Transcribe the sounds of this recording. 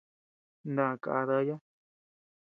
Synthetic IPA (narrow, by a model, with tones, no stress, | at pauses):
nã˧˨ka̰˧ða˦ja˦